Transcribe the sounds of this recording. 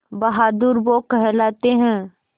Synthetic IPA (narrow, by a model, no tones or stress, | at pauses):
bɐɦaːd̪uɾʋokɛɦlaːt̪eɦɛ̃ː